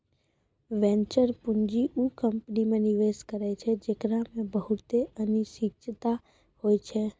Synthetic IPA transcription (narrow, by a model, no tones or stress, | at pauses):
ʋɛ̃ːnt͡ʃəɾpʊ̃nd͡ʒiʔuːkə̃mpnimẽnɪʋeːʃkəɾɛt͡ʃʰed͡ʒekɾamẽbəɦʊt̪eəniʃɪkt͡ʃʰət̪a | hoːit͡ʃʰeː